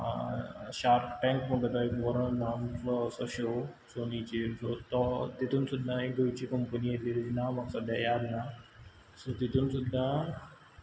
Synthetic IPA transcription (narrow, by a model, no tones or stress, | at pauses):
ɕaɾʈʈɛ̃ŋkməɡet̪ɔekʋɔɾə̃namsɔsɔɕo | sonit͡ɕiɾsɔt̪ɔt̪it̪ʰuːnsud̪ʱaeɡ̪ujt͡ɕiːkəmpəniɦet̪liɾid͡ʑinamaksɔd̪jajad̪na | sɔt̪it̪ʰuːnsud̪ʱːa